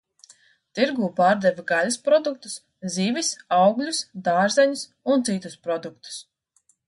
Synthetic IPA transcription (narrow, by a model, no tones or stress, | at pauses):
t̪iɾɡuːpaːɾd̪ɛvɡaluspɾɔd̪uk̚t̪us | ziːvisawɡlʲusd̪aːɾzɛɲus | unt̪sit̪uspɾɔd̪uk̚t̪u̥s